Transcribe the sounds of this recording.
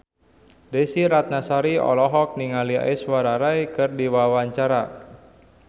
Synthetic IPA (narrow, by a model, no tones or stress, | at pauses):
dɛsiɾat̪̚nasaɾiɔ̰lɔɦɔk̚niŋalia̰iswaɾaɾajkɨrdiwawaɲt͡ʃaɾa